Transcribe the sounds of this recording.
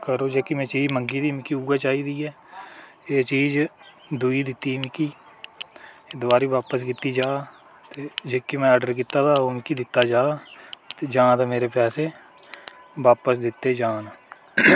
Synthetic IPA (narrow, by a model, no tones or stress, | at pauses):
kəɾoːd͡ʒeːkimɛ̃ːt͡ʃiːd͡ʒməŋɡiːd̪iːmɪkiuːat͡ʃaːiːd̪iːɛː | eːt͡ʃiːd͡ʒ | d̪uːiːd̪ɪt̪ːiːmɪkiː | ed̪ʊaːɾiːʋaːpəs̬kɪt̪ːid͡ʒaː | t̪eːd͡ʒeːkimɛ̃ːəɖəɾkɪt̪ːaːt̪ʰaːoːmɪkid̪ɪt̪ːaːd͡ʒaːt̪eːd͡ʒãːt̪ameːɾepɛːse | ʋaːpəsd̪ɪt̪ːeːd͡ʒaːnː